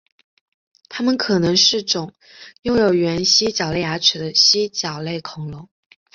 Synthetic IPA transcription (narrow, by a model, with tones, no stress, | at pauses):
t̪ʰa˥mə˨nkʰɤ˨˩nɤ˧˥ŋʂɻ̩˥˩ʈ͡ʂʊ˨˩˦ŋ | jʊ˥˩ŋjo˨˩ʊɥɛ˧˥nɕi˥t͡ɕjɑ˨˩ʊle˥˩ɪja˧˥ʈ͡ʂʰɻ̩˨˩d̪ə˦ɕi˥t͡ɕjɑ˨˩ʊle˥˩ɪkʰʊ˨˩ŋlʊ˧˥˦ŋ